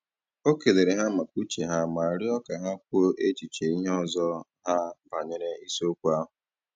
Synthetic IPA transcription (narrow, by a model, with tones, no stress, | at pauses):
o˦ke˨le˨ɾe˨ɦa˦ma˨k̚u˦t͡ʃe˨ɦa˦ma˨ɾɪ˦ɔ˦ka˨ɦa˦k̚ʷu˦o˦ʔe˦t͡ʃi˨t͡ʃe˨i˦ɲe˦ɔ˦˨zɔ˦ | ɦa˦ba˨ɲe˦ɾe˦i˦so˦kʷu˦a˦ɦʊ˨